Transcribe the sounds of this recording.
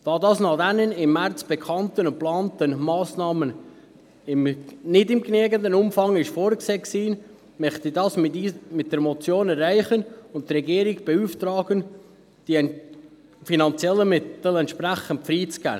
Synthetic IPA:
d̥ɑːdɑːsnɑχd̥̪ɛnənɪmːæɾt͡sb̥ɛkʰɑntənʊnplɑːntənmɑːsnɑːmən | ɪmnɪdɪmkneːɡənd̪ənʊmfɑŋɪʃfoːɾkseːksiː | mœχt̪id̥ɑsmɪt̚d̥ɛɾmot͡sjoːnɛɾːæɪχənʊnttɾɛɡiːəɾɪɡb̥ɛuːft̪ɾɑːɡən | d̥i | finɑnt͡sjɛlːəmɪtəl̩ɛntʃpɾæχənt̚fɾiːt͡sɡ̥æ̰ː

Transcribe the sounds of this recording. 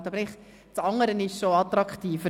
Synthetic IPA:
tɑbəɾɪχ | t͡sɑŋəɾənɪʃʃoɑt̪ɾɑkχtiːfə

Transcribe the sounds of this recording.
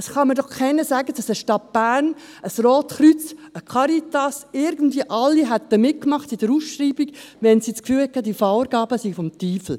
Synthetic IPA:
ɑsχɑmədɔχkʰɛɪnəsæːɡəd̥ɑsəʃtɑt̚b̥æːɾn | əsroːtχɾyt͡səkʰɑɾitɑsɪɾɡən̩dviəʔɑlːiɦæt̪ːəmɪt̚kmɑχtid̥əɾusʃɾiːbiɡ̥ʋɛnsit͡skfyːlhɛkʰɑd̥ifɑʊɾɡ̥ɑːbəsifɔmt̪iːfl̩

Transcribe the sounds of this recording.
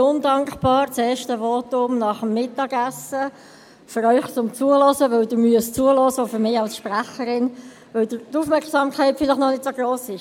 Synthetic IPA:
ʊndɑŋkχpɑːɾt͡sɛːʃtəvɔtʊmnɑχəmːɪtːɑɡæsːə | fʏɾœʏχt͡sʊmt͡suəlɔsəʋœlduːmyəst͡suəlɔsəofʏɾmɪːɑlsʃpræχəɾɪn | vəldətufmɛrksɑːmkχɛɪtfɪlɪχnɔnɪtsoɡ̥roːsɪʃ

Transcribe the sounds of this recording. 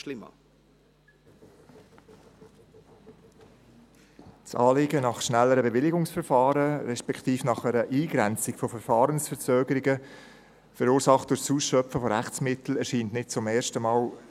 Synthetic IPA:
ʃlɪmə̰ | t͡sɑ̰ːlɪɡənɑχʃnælːəɾəbɛʋɪlɪɡʊŋsfɛɾfɑːɾəɾɛʃpɛktiːfnɑχɛɾəʔiːɡɾɛnt͡sɪɡfɔfɛɾfɑːɾənsfəɾt͡søːɡəɾɪɡə | fəɾuːɾsɑχtd̥ʊɾsuːsʃœpfəfɔɾæχt͡smɪtl̩ɛɾʃiːntnɪt̚t͡sʊmɛːɾʃtəmɑːl

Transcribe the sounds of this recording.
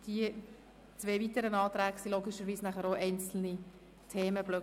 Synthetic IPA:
d̥i | t͡sʋeːvit̪əɾənɑːt̪ɾæːɡsiloːɡɪʃəɾʋiːsnæχəɾoʔɛɪnt͡sl̩ni | tʰeːməblø

